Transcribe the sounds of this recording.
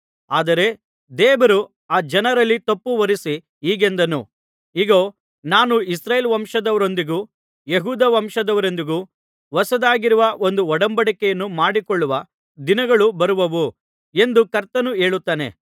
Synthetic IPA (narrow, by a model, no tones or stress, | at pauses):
aːd̪ɐɾe̞ | d̪ɛːbɐɾu | aːd͡ʒɐnɐɾɐlːit̪ɐpːuʋɐɾisi | ɦiːɡe̞nd̪ɐnu | iɡoː | naːnuisɾaːjelʋɐmʂɐd̪ɐʋɐɾo̞nd̪iɡuː | jeɦuːd̪ɐʋɐmʂɐd̪ɐʋɐɾond̪iɡuː | ʋɐsɐd̪aːɡiɾuʋɐo̞nd̪uɔɽɐmbɐɽikɛjɐnːumaːɽikɔɭːuʋɐ | d̪inɐɡɐɭubɐɾuʋɐʋu | e̞nd̪ukɐɾt̪ɐnuɦe̞ːɭut̪ːaːnḛ